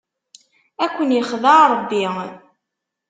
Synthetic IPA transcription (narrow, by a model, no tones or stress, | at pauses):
ækʷːənjəχðɑɾˤəbːi